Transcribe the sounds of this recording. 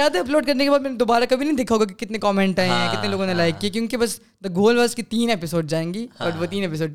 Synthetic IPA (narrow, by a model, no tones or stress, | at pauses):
aːd̪ɐɐploːɖkɐɾnekebaːd̪mɛːned̪oːbaːɾakɐbʱinɐɦĩd̪ekʰaɦoːɡak̬ikɪt̪nekɔːmɛ̃ɳʈaẽɦɛ̃kɪt̪neloːɡõnelaːɪkːiek̬jõːkibɐs | d̪ɐɡoːlʋaːskit̪iːnepɪsoːɖd͡ʒaːẽːŋɡiːɐʈʋot̪iːnepɪsoːɖ̚